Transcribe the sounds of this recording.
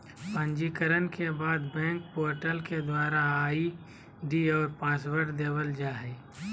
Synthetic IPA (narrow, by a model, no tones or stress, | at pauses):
pə̃ɲd͡ʒikəɾənkebaːd̪bɛ̃ːŋk̚poːɾʈəlked̪waːɾaaːi | ɖiɔːɾpãːswəɾʈd̪eːwəld͡ʒaːɦɛː